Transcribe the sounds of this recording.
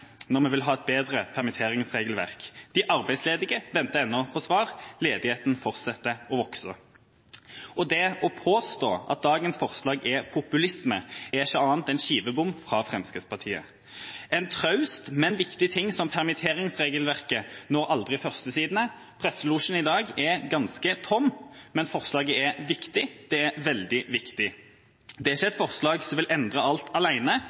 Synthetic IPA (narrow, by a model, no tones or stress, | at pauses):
nɔʁmɛʋɪlɦɑːɛt̪̚beːd̪ʁəpʰæʁmɪt̪ʰeːʁɪŋsʁeːɡəlʋæ̰ʁkd̪̥ɪʔɑʁbæɪsleːd̪ɪɡəʋɛnt̪əɛnːɔpʰɔsʋɑːʁleːd̪ɪheːt̪n̩fɔʁt̪sɑt̪ːəɔʋɔksə | ɔd̪ɛɔpʰoːst̪o̰ːɑ̰t̪̚d̪ɑːɡənsfɔʁslɑːɡɛpʰʊpʉlɪsməɛɪʃəɑːnt̪ɛɪnʃiːʋəbʊmfʁɑːfʁɛmskət̪spʰɑʁt̪ʰiːə̰ | ɛnt̪ʰʁɑʉst̪mɛnʋɪkt̪ɪt̪ʰɪŋːsɔmpʰæʁmɪt̪ʰeːʁɪŋsʁeːɡəlʋæʁkənɔːɾɑld̪ʁɪfœʁst̪əsiːd̪nə | pʰʁɛsːəluʂn̩ɪd̪ɑːɡɛɡɑnskət̪ʰɔmːmɛnfɔʁslɑːɡəɛʋɪkt̪ɪd̪̥ɛɛʋɛld̪ɪʋɪkt̪ɪ | d̪ɛæɪçːəɛt̪fɔʁslɑːɡsɔmʋɪlʔɛnd̪ʁəɑlt̪ʰɑlæɪnə